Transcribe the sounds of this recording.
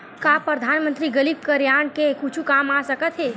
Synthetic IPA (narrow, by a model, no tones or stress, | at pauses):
kaːpɾəd̪ʱaːnmə̃nt̪ɾiɡəliːb̚kəɾjaːɳkekut͡ʃʰukaːmasɐkət̪ɦɛː